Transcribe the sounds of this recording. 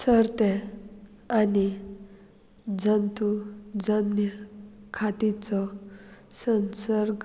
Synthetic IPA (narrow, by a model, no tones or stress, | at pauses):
səɾt̪e | ani | d͡zənt̪ud͡zənjəkʰat̪it͡sɔ | sənsəɾɡ